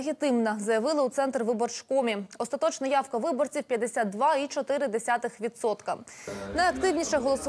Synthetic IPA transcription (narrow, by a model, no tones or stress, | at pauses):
ɣʲit̪ɪmnɐzɐjɐʋɪlˠɪut̪sɛnt̪ɾʋɪbɔrt͡ʃkɔmʲiɔst̪ɐt̪ɔt͡ʃnɐjɑwkɐʋɪbɔrt͡sʲiwpʲjɐd̪esʲat̪̚d̪ʋɑit͡ʃɔt̪ɪɾɪd̪esʲat̪ɪxʋʲit̪sɔt̪kɐnɐjɐkt̪ɪwnʲiʃɛɦɔlˠɔsʊ